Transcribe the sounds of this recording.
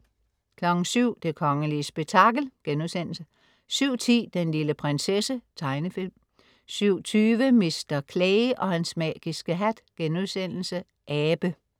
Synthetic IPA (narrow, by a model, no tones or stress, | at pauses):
kʰlɒ̽ɡ̥n̩syʊ̰d̥e̝kʰɒ̽ŋəliəsb̥e̝ɡ̥̚t͡sʰɑ̈ɡ̥l̩ɡ̥enuðˠsen̰l̩sə | syʊ̰t͡sʰḭːd̥enliləpʰʁensesət͡sʰɑ̈ɪnəfilm | syʊ̰t͡sʰyːʋəmesd̥ɐkʰleːɪʔɒ̽hænsmɛ̰ːɡ̥isɡ̥əɦæd̥ɡ̥enuðˠsen̰l̩sə | ʔɛːb̥ə